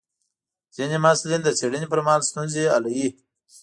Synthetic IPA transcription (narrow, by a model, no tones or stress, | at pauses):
zinimaslind̪ət͡seɽinipəɾmaːlst̪unzia̰laji